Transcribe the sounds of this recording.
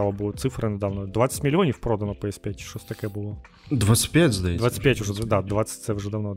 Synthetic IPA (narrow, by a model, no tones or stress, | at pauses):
alˠəbɨlˠət̪sɨfɾɨnəd̪ɐvnod̪vat̪sə̥tʲmʲɪlʲɪonʲɪfpɾod̪ənəpəɛspʲætʲʂt̪osʲt̪ɐkajəbɨlˠo | d̪vat̪sɨ̥t̚ʲpʲætʲzd̪ɐjd̪vat̪sɨ̥tʲpʲætʲʊʐɛd̪ad̪vat̪sə̥tʲt̪sɛʊʐɛd̪ɐvno